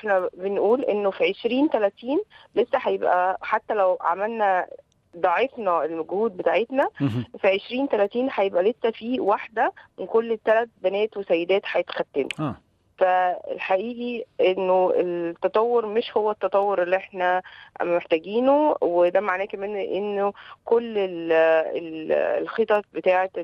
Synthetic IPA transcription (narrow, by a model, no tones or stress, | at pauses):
ʔeħnæbenʔuːlʔenːofiʕeʃɾiːnt̪ælæt̪iːnlesːæħajebʔæ̰ħat̪ːælæwʕa̰mælnæ | d̪ˤɑʕefnɑelmæɡhuːd̪̚bet̪aːʕet̪næfiʕeʃɾiːnt̪ælæt̪iːnħajebʔælesːæfiːwaħd̪æmenkolːet̪ːælæt̪̚bænæːt̪wesæjːed̪æːt̪ħajet̪xæt̪ːeniː | fæḛlħaʔiːʔiʔenːoelt̪ːɑt̪ˤɑwːoɾmeʃhowːæt̪ːɑt̪ˤɑwːoɾʔelːiʔeħnæmeħt̪æɡiːnowed̪æmaʕnæːkæmæːnʔenːokolːelḛl̰lxet̪ˤɑbet̪aːʕet̪